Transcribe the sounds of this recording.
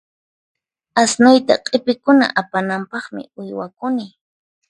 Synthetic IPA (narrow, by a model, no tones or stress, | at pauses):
asnʊjt̪a̰qʼɪpɪkʊna̰ʔapanampɑχmɪ̰ʊjwakʊnɪ